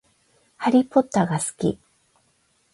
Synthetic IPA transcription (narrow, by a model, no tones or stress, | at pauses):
haɾʲipo̞t̪ːaɡasɨ̥kʲḭ